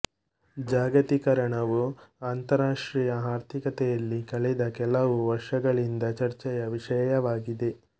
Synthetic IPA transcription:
d͡ʒaːɡɐt̪ikɐɾɐɳɐʋuaːnt̪ɐɾaːʂʈɾijɐɦaːɾt̪ʰikɐt̪ɛjɐlːikɐɭɛd̪ɐkɛlɐʋuʋɐɾʂɐɡɐɭind̪ɐt͡ʃɐɾt͡ʃɛjɐʋiʂɐjɐʋaːɡid̪e̞

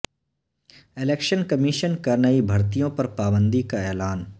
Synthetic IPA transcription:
ɪleːkʃənkɐmiʃənkɐɾnɐibʱɐɾt̪ijõpɐɾpaːbə̃nd̪ikaɛːlaːn

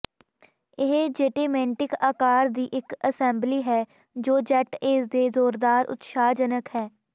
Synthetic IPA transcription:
ɪɦd͡ʒeːʈeːmɛ̃ːɳʈɪkaːkaːɾd̪iːʔɪkəsɛ̃ːmbliːɦɛː | d͡ʒoːd͡ʒɛʈeːsd̪eːzoːɾd̪aːɾʔʊ̰t̪ʃaːd͡ʒənəkhɛː

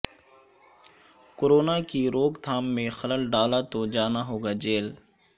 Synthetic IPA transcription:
koːɾoːnakiɾoːkt̪ʰaːmːẽxələlɖaːlat̪od͡ʒaːnaɦoːɡaːd͡ʒeːl

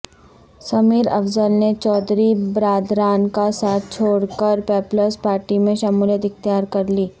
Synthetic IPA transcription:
sɐmiːɾɐ̰fzəlnet͡ʃɔːd̪ɾibɾaːd̪ɾaːnkasaːt̪̚ʰt͡ʃʰoːɽkəɾpɛːpləspaːɾʈimẽʃɐmuːljət̪ɪkt̪jaːɾkɐɾliː

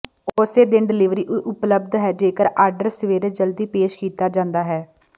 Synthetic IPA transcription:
oseːd̪ɪnɖɪlɪʋɾiːʔʔʊpləb̚d̪ɦɛːd͡ʒeːkəɾaːɾɖəɾsəʋeːɾeːd͡ʒəld̪iːpeːʃkiːt̪aːd͡ʒãːnd̪aːɦɛː

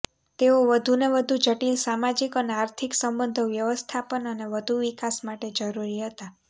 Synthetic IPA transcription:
t̪eoʋəd̪ʱuneʋəd̪ʱud͡ʒəʈilsamad͡ʒikəneaɾt̪ʰiksəmbənd̪ʱəʋjəʋəst̪ʰapənəneʋəd̪ʱuʋikasmaʈed͡ʒəɾuɾiɦət̪a

